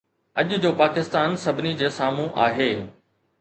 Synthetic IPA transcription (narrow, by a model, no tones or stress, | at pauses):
ɐʄd͡ʑoːpaːkɪst̪aːnsɐbʱɪnid͡ʑeːsaːmũʔa̰ːɦeː